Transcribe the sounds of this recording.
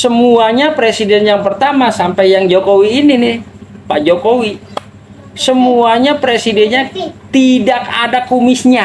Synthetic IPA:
səmuaɲapɾesidɛnjaŋpərt̪amasampajjaŋd͡ʒokowiːninɪh | pad͡ʒokowi | səmuaɲapɾesidɛnɲat̪idakadakumɪsɲa

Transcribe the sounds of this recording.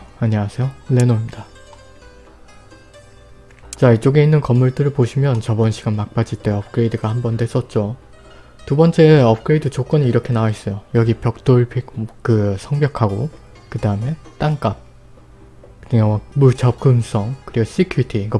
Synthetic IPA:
aɲʌwasʰe̞jolːe̞noimida | t͡ɕait͡ɕ͈oɡe̞inːɯnkʌmːuɭt͈ɯɾɯɭpoɕʰimjʌnt͡ɕʌbʌnɕʰiɡanmak̚p͈ad͡ʑit͈e̞ʌp̚k͈ɯɾe̞idɯɡahambʌndwes͈ʌt̚t͡ɕ͈o | tubʌnt͡ɕ͈e̞ʌp̚k͈ɯɾe̞idɯt͡ɕok͈ʌniiɾʌkʰe̞naais͈ʌjojʌɡipjʌk̚t͈oɭpʰikkɯsʰʌŋbjʌkʰaɡo | kɯdaɯme̞t͈aŋk͈ap̚ | kɯimut͡ɕʰʌp̚k͈ɯms͈ʌŋkɯɾiɡos͈ikʰjuitʰiɡʌ

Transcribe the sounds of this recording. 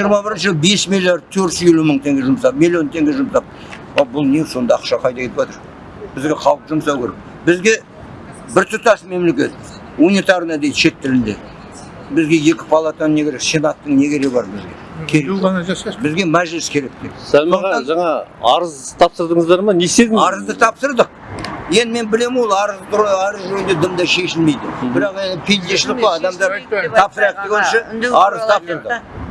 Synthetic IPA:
ʒijəɾmɑbɪɾɪnʃəbe̞smilʲjaɾd̪̚t̪ʰɵɾt̪ʃje̞luməɴt̪ʰe̞ŋɡʲe̞ʒʊmsɑp̚mʲilʲˠːijo̞nt̪ʰe̞ŋɡʲe̞ʒʊmsɑp̚ | ɑbʊlˠneso̞nd̪ɑːqʃɑqʰɑjt̪ɑkʰʲe̞t̪ɪpwʒɑt̪əɾ | bɪzɡʲe̞qʰɑwˠəpʒʊmsɑwkʲʰe̞ɾek̚ | bɪzɡʲe̞ | bɪɾt̪ʰʊt̪ɑsme̞mle̞kʲe̞̰t̪ | unit̪aɾrnɑd̪ejd̪ʃe̞t̪ːɪlɪnd̪e | bɪzɡʲe̞je̞kʲɪ̥pʰɑlˠɑt̪ɑnne̞kʲeɾe̞ksenɑt̪ːəŋne̞kʲʰe̞ɾeɡbɑɾbɪzɡʲe̞̰ | kʲʰeekɑnʒsbɪzɡʲe̞mæʒɪlɪskʲʰe̞ɾe̞k̚d̪̥ḛt̪sælmɑʁɑʒɑɴɑɑɾəzt̪ʰɑpsəɾd̪əɴəzd̪ɑɾmɑne̞st̪ed̪ɪŋɑɾəzd̪ət̪ʰɑpsəɾd̪əq̚je̞nd̪ɪme̞nbɪle̞mwo̞lˠɑɾəzd̪ʊɾoɑɾəzʒɵjnd̪ed̪əmd̪ɑʃe̞ʃɪlme̞jd̪ɪbɪɾɑqe̞nd̪ɪpʰij̪d̪e̞ʃlɪoɑd̪ɑmd̪ɑɾʰɑpsəɾɑq̚d̪eɡʲenʃɪɑɾəzt̪ʰɑpsəɾd̪əq

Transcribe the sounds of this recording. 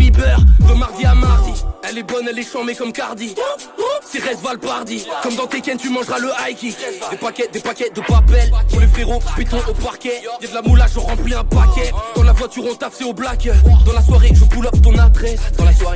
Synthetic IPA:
mibœʁd̪əmaʁd̪iamaʁd̪iɛlɛbɔnɛlɛʃɑ̃mekɔmkaʁd̪i | seʁɛsvalpaʁd̪ikɔmd̪ɑ̃t̪ekʲɛnt̪ymɑ̃ʒʁaləajkʲidd̪epakʲɛd̪epakʲɛd̪əpapɛlpulefχeʁõpɥit̪ɔ̃ʔopaʁkʲɛd̪ɛd̪əlamulaʃɔ̃ʁɑ̃pliɛ̃pakʲɛkɑ̃lavwat̪yʁɔ̃t̪aft̪eoblakːʁd̪ɑ̃laswaʁeʒəbulɔp̚t̪ɔ̃nat̪ʁɛd̪ɑ̃laswaʁe

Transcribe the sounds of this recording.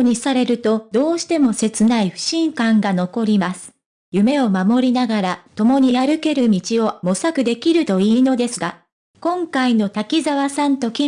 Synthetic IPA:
ɲ̟isaɾe̞ɾɯ̟t̪o̞d̪o̞ːɕi̥t̪e̞mo̞se̞t͡sɨnaiɸɯ̟̥ɕĩŋkãŋɡano̞ko̞ɾʲimasɨ̥ | jɯ̟me̞o̞mamo̞ɾʲinaɡaɾat̪o̞mo̞ɲ̟iaɾɯ̟ke̞ɾɯ̟mʲit͡ɕio̞mo̞sakɯ̟d̪e̞kʲiɾɯ̟t̪o̞iːno̞d̪e̞sɨɡa | kõ̞ŋkaino̞t̪akʲizaβasãnt̪o̞kʲi

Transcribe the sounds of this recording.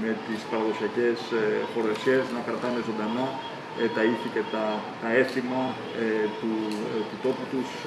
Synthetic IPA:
me̞t̪ispɐɾɐðo̞siɐce̞sfo̞ɾesçeznɐkɾɐt̪ɐne̞zo̞nd̪ɐnɐ | et̪ɐiθice̞t̪ɐt̪ɐe̞simɐ | et̪ut̪ut̪o̞put̪us

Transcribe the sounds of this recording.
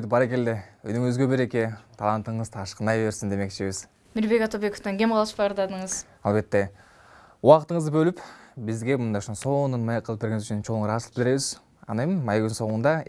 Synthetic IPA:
d̪ɪpbɑɾe̞k̬e̞ld̪eøjnøŋyzɡøbeɾeket̪ʰɑlˠɑnt̪ɯɴɯz̥t̪ʰɑʃqənd̪ɑjβe̞ɾsind̪e̞me̞kt͡ʃeβiz̥ | miɾbe̞kɑt̪obe̞koft̪ɑŋɡʲe̞mqʰɑlˠɯʃpɑɾd̪ɑd̪əɴəz | ɑlˠbe̞t̪ːe | uwɑqt̪əɴəzd̪ɯbø̞lypbizɡʲe̞mund̪ɑjoʃonso̞nunmɑjeqʰːəlˠp̚beɾɡʲeŋɪzyt͡ʃʰynt͡ʃʰo̞ŋɾɑslˠəpbɪld̪ɾe̞βiz | ɑ̰nemɪmɑjɡynso̞ɴund̪ɑ

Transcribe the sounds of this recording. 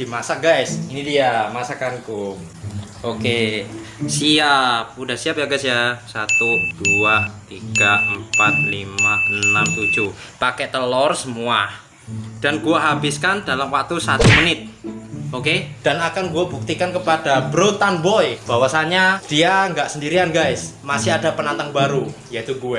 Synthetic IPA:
d̥imasaɡajsinidiamasakankum | ʔoke | siap̚udahsiap̚jaɡasjasat̪ud̥uat̪iɡ̥aəmpat̪̚limaənamt̪u̥d͡ʒuhpakɛt̪əlɔrsəmua | d̥anɡuaɦabɪskandalamwak̚t̪usat̪umənɪt̪̚oked̥anakanɡuabuk̚t̪ikankəpadabɾot̪anbɔjb̥awasaɲad̥iaŋɡaʔsəndiɾianɡajsmasɪadapənant̪aŋbaɾujait̪uɡue

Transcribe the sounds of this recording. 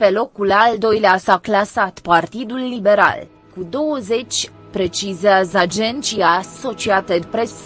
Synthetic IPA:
pelo̞kulald̪o̞jleasaklasat̪part̪id̪ulːibe̞ɾa̰l | kud̪o̞wəze̞t͡ʃʲ | pɾe̞t͡ʃizeazad͡ʒent̪t͡ʃiaso̞t͡ʃiat̪əd̪pɾes

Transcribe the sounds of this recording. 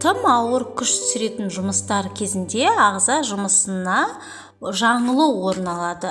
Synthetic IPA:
t̪ʰəmɑwəɾkʲʰʏʃt̪ʰʏ̥sɪɾe̞t̪ɪnʒʊməst̪ɑɾkʲʰe̞zɪnd̪e̞ɑʁzɑʒʊməsənɑ | ʒɑɴəlˠəwo̞ɾənɑlˠɑd̪ə

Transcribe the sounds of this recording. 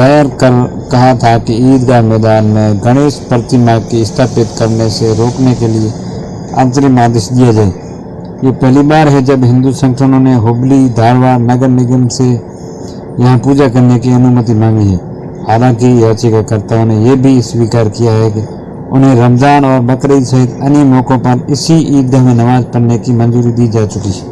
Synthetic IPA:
ajəɾkəɾ | kɐɦat̪ʰakiiːd̪kamɛːd̪aːnmẽɡəɽ̃eːʃpəɾt̪imãkiɪst̪ʰaːpɪt̪kəɾneseɾoːknekelie | ã̰ːnt̪̬əɾɪmãːd̪ɪʃd̪ijad͡ʒaːe | jepɛɦlibaːɾɦɛd͡ʒɐbɦɪ̃nd̪usə̃ŋkʃʰʊnõneɦoblid̪ʱaːɾwaːɾnɐɡəɾnɪɡəmse | jɐɦãpuːd͡ʒakɐɾnekiɐnʊmət̪imãːmiɦɛː | haːlãkijaːt͡ʃɪkakəɾt̪aonɦẽjebʱiswiːkaːɾkijaɦɛke | ʊnɦẽɾəmzaːnɔːɾbɐkɾəisɐɦɪt̪ɐnimoːkõpɐɾɪsiʔiːd̪̚ɡəɦmẽnɐʋaːd͡ʒpəɽnekimə̃nzuːɾid̪iːd͡ʒaːt͡ʃʊkiɦɛː

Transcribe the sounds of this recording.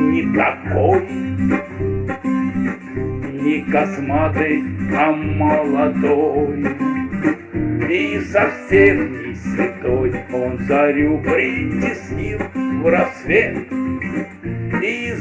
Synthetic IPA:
nʲɪt̪ɐkoj | nʲɪkɐsmat̪ɨjɐməlˠɐd̪oj | isɐfsʲemnʲɪsʲvʲɪt̪ojonsɐɾʲupɾʲɪtʲɪsʲnʲifvɾɐsvʲet̪ | i

